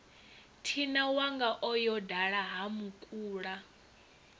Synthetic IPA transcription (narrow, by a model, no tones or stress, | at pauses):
tʰinawaŋɡaʔɔjɔdaɺaɦamukʼuːɺa